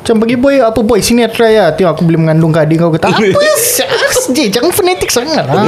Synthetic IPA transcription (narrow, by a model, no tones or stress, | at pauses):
t͡ʃaŋpaɡibɔjapəbɔjsiniat̪ɾajaːt̪ujaŋakubolɪməŋandʊŋkadiŋkawkət̪aapəsaksd͡ʒit͡ʃaŋanfonɛt̪ɪk̚saŋala